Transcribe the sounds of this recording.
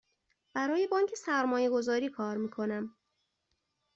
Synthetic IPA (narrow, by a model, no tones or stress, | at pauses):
b̥æɾɒːjebɒːŋcʰe̞sæɾmɒːje̞ɡo̞zɒːɾiːkʰɒːɾmiːkʰo̞næm